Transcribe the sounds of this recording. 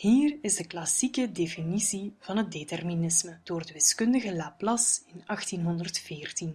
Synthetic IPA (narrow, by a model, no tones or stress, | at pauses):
hiːrɪzdəklɑsikədeːfinisiv̥ɑnɦət̚detɛrminɪsməd̥oːrdəʋɪskʏndəɣəlaːplɑsɪnɑxtinɦɔndərtfɪːrtin